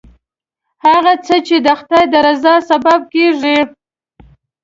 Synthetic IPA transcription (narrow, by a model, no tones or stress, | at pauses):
haɣat͡sət͡ʃed̪əxt̪ɑjd̪əɾazɑsabab̚keʐi